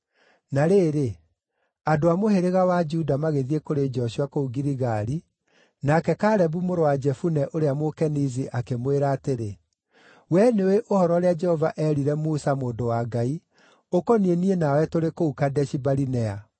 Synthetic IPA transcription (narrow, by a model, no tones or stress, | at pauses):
naɾeːɾe | adoamoheɾeɣawad͡ʒuudamaɣeðiekoɾed͡ʒɔʃiakouɡiɾiɣaɾi | nakɛkaɾɛbumoɾowad͡ʒɛfunɛʔoɾeamokɛniziʔakemweɾaːteɾe | wɛneweʔohɔɾɔɾead͡ʒɛhɔvaʔɛɾiɾɛmusamoːndowaːɡai | okɔnienienawɛtoɾekoukadɛʃibaɾinɛa